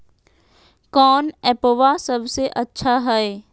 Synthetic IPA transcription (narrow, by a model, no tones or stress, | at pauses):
kɔːnɛːpoʋasɐbseʔɐtːʃʰaɦɛe